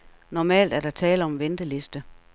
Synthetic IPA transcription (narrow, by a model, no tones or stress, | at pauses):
nɒmɛ̰ːld̥æɐɾ̥ɑ̈t͡sʰɛːləɒ̽mʋend̥əle̝sd̥ə